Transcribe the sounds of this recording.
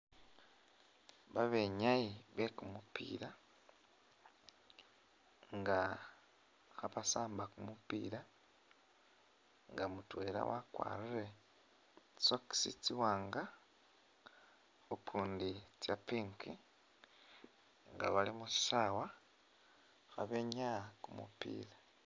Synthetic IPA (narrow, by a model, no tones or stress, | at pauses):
βaβeɲajiβekumupḭːɾa | ŋɡa | xaβasaːmbakumupḭːɾa | ŋɡamutweɾa̰wa̰kwa̰ːɾure̥ | soki̥sit͡siwaːŋɡa | okʰuːndit͡sjapiːŋki | ŋɡa̰βalimusi̥ʃawa | xaβeɲakumṵpḭːɾa